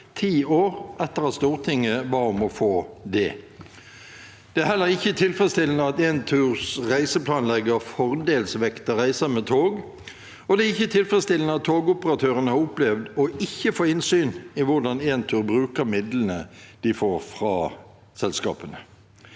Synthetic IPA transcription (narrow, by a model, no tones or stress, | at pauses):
t̪ʰiːoːʁʔɛt̪ːəʁɑst̪uːʁt̪ʰɪŋːəʋɑʁɔmɔfoːd̪ɛ | d̪̥ɛæhɛlːəʁɪçːət̪ʰɪlfʁɛst̪ɪlnəɑt̪eːnt̪ʰʉːʁsʁæɪsəpʰlɑːnlɛɡəʁfɔʁd̪eːlsʋɛkt̪əʁæɪsəmɛt̪ʰoːɡ | ɔd̪ɛɪçːət̪ʰɪlfʁɛst̪ɪlənəɑt̪ʰːoːɡʊpəʁɑt̪ʰøːʁənəhɑɾʁʊplɛʋd̪ɔɪçːəfoːɪnsyːnɪʋʊʁd̪ɑneːnt̪ʰʉːʁbʁʉːkəʁmɪd̪lən̩əd̪̥ɪfoːʁfʁɑː | sɛlskɑ̰ːpənə